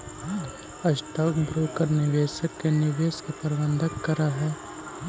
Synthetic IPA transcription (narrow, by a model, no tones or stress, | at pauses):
ɐsʈɐːkbɾoːkəɾnɪʋeːʃəkːenɪʋeːskepɐɾbə̃nd̪ʱəkːɐɾaɦɛː